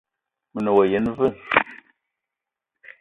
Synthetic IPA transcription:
mə˨nə˨wo˨je˨˦n˦və˦˨

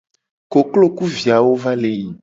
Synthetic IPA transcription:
ko˨klo˦ku˦vi˨a˨wo˦va˦le˨ɲi˨

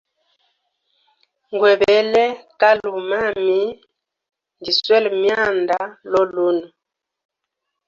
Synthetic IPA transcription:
ŋɡwɛ˨bɛ˨˦lɛ˦ka˦lu˨ma˦˨mi˦ | ndi˨swɛ˦lmja˦˨nda˦lɔ˦lu˦nu˨

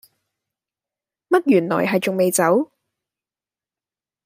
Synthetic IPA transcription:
mɐ˥t̚jyː˨˩nlɔ̰ː˨˩jɦɐ˨jt͡sʊ˨ŋme˨jt͡sɐ˨˥w

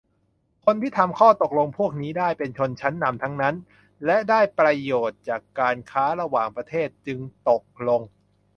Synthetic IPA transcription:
kʰo˧nt̪ʰiː˥˩t̪ʰa˧mkʰɔː˥˩t̪o˨˩k̚lo˧ŋpʰu˥˩ək̚niː˦˥daː˥˩jpe˧nt͡ɕʰo˧nt͡ɕʰa˦˥nːa˧mt̪ʰa˦˥ŋna˦˥n | lɛ˦˥daː˥˩jpɾa˧joː˨˩t̪̚t͡ɕaː˨˩kːaː˧nkʰaː˦˥ɾa˧waː˨˩ŋpɾa˧t̪ʰeː˥˩t̪̚t͡ɕɯ˧ŋt̪o˨˩k̚lo˧ŋ

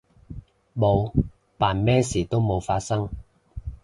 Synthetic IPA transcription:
mo˨˧w | paː˨˩nmɛː˥siː˨˩t̪o˥wmo˨˧wfaː˧t̚sɐ˥ŋ

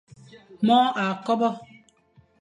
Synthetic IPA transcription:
mɔ˦ʔa˨kɔ˦bɔ˦

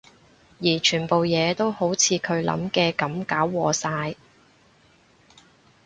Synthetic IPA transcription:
jiː˨˩t͡ʃʰyː˨˩npo˨wjɛː˨˧t̪o˥who˨˥wt͡sʰiː˨˧kʰɵ˨˧ɥlɐ̰˨˥mkɛː˧kɐ˨˥mkaː˨˥wːɔː˨˧saː˧j

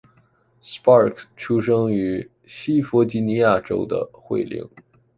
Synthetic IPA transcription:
spɑ˥˧˩kʰʈ͡ʂʰu˥ʂɤ˥ŋy˧˥ | ɕi˥fɔ˧˥t͡ɕi˧˥ni˧˥ja˥˩ʈ͡ʂo̰˥ʊd̪ə̰˧xwḛ˥˩ɪlḭ˧˩ŋ

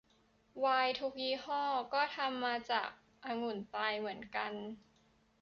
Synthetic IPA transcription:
waː˧jt̪ʰu˦˥k̚jiː˦˥hɔː˥˩kɔː˥˩t̪ʰa˧mːaː˧t͡ɕa̰ː˨˩k̚ | ʔaː˧ŋu˧˩˦nt̪aː˧jmɯ˩˦ənka˧n

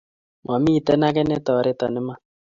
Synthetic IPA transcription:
ma˨mi˦˨tɛ˦na˦kɛ˦nɛ˦tɔ˨ɾe˦tɔ˨nɪ˦ma˦

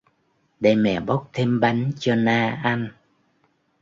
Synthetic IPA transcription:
ɗə˧jmɛ̰˧˨ɓə˦˥wk͡p̚t̪ʰe˧mɓa˨˦jŋ̟t͡ɕɔ˧naː˧ʔa˧n

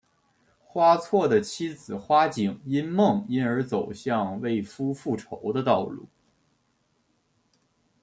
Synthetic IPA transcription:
xwa˥t͡sʰwɔ˥˩d̪ə˩t͡ɕʰi˥d͡zɹ̩˨˩xwa˥t͡ɕi˨˩ŋi˥nmɤ˥˩ŋi˥nə˞˧˥t͡so˨˩ʊɕjɑ˥˧ŋwe˥˩ɪfu˥fu˥˩ʈ͡ʂʰo˧˥ʊd̪ə˧t̪ɑ˥˧ʊlṵ˥˩

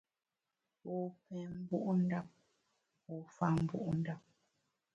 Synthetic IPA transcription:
o˨pɛ˨m̩˦bu˦ʔn̩˦da˦p̚ | o˨fa˦˨m̩˦bṵ˦ʔn̩˦da˦p̚

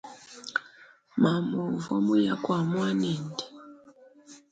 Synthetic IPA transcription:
ma˨mɔ˨vɔ̰˦mu˦ja˦kwa˨mwa˦nɛ˨ndɛ̥˨

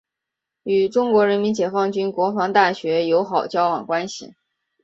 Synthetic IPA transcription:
y˨˩ʈ͡ʂʊ˥ŋkwɔ˧˥ɻə˧˥nmi˧˥nt͡ɕjɛ˨˩fɑ˥˩ŋt͡ɕy˥nkwɔ˧˥fɑ˧˥ŋt̪a˥˩ɕɥɛ˧˥jo˧˥ʊxɑ˨˩ʊt͡ɕjɑ˥ʊwɑ˨˩ŋkwa˥nɕḭ˨˩

